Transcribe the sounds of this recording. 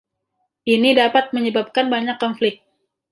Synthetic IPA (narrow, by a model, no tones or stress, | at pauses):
ʔinidapat̪̚məɲəbap̚kanbaɲakːɔnflɪk̚t̪̚